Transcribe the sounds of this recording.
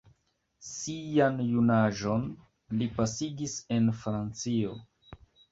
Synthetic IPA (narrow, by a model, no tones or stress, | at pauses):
sijanjunaʒo̞n | lipasiɡise̞nfɾant͡sio̞